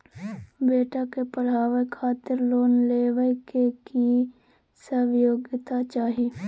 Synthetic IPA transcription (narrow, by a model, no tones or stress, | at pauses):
beːʈakepəl̤aːʋekʰaːt̪ɪɾloːnleːʋəjkeki | səʋjoːɡɪt̪at͡ʃaːɦe